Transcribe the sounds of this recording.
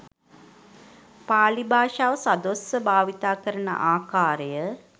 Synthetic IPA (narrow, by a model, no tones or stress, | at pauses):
paːlibaːʃaːʋəsad̪osəbaːʋit̪aːkəɾənə̰ʔaːkaːɾəjə